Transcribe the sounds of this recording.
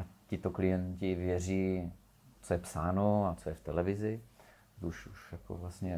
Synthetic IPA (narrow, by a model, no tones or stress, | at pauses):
ʔacɪt̪oklɪjɛncɪvjɛr̝iː | t͡sojɛpsaːnoat͡sojɛft̪ɛlɛvɪzɪ | uʃuʃjako̰vlastɲɛ